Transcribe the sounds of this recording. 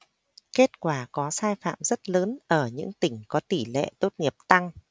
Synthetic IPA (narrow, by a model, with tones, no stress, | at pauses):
ke˦˥t̚kwaː˧˩kɔ˨˦saː˧jfa̰ː˧˨mzə˦˥t̚ləː˨˦nʔəː˧˩ɲɨ̰˧˥ŋt̪ï˧˩ŋ̟kɔ˨˦t̪i˧˩lḛ˧˨t̪o˦˥t̚ŋi˨˩əp̚t̪a˧ŋ